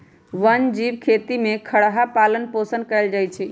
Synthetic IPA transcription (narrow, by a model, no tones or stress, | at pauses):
ʋənd͡ʒiʋkʰet̪imekʰəɽɦapalənposənkəld͡ʒajt͡ʃʰɛ